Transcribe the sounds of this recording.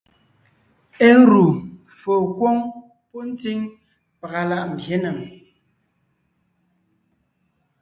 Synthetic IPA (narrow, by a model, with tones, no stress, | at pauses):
e˦ɾu˨ | fo˨kwo˦ŋ | pɔ˦n̩˦ti˦ŋ | pa˨ɣa˨la˦ʔm̩˨bje˦nə˨ŋ